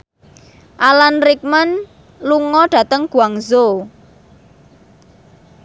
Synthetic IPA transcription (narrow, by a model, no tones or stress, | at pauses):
ʔalanrik̚mən | luŋɔɖ̥ä̤t̪əŋɡ̥uaŋzo